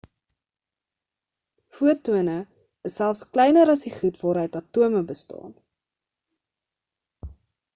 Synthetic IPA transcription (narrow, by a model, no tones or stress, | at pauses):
fuətuənə | əsːælˠfsklɛjnəɾɐsdiχutvɑːɾəjtɐtuəməbəstɑ̰ːn